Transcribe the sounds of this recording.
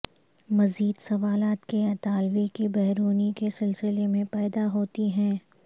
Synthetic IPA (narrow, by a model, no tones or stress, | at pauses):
mɐziːd̪sɐʋaːlaːt̪keɐt̪aːlʋikibɛɦɾuːnikesɪlsɪlemẽpɛːd̪aɦoːt̪iɦɛ̃ː